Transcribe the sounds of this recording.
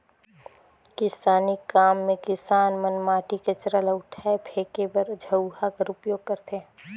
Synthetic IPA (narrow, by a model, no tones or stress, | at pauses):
kɪsaːnikaːmːẽkɪsaːnmənmaːʈiket͡ʃɾələʊʈʰɛpʰeːkebəɾd͡ʒʱəʊɦakaɾʊpjoːɡ̚kɐɾt̪ʰẽ